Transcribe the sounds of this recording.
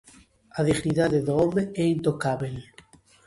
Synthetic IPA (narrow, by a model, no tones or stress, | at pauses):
aðiɣniðaðeðoomeɛint̪okaβel